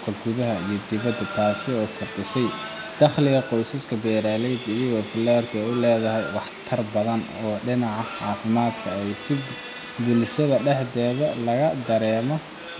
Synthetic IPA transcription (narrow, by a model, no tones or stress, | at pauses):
qʰɐɡʊðɐɦɐijɞd̪ɪβɐd̪ːɐt̪ʰaːsɪɔːkʰʊrd̪ɪsɛj | d̪̥ɐχlɪɣɐqɔjsɐskʰɐbɛːɾaːlɛjd̪ɪjɐɣɔːfɪlɛːrk̪ʰɐɛʊlɛːðɐɦɛjwɑħt̪ʰɐrbɐðɐnɔːɖɪnɑʕɑʕɑːfɪmaːd̪kʰɐɛjsɪd̪ | bʊlʃɐðɐɖɛħd̪ɛːβɐlɐɣɐd̪ɐɾɛːmɔ